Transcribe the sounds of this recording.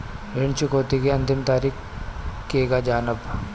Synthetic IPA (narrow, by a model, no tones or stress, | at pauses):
ɾɪɳt͡ʃʊkoːt̪ikeɐ̃nt̪ɪmt̪aːɾiːk | kːekad͡ʒaːnəb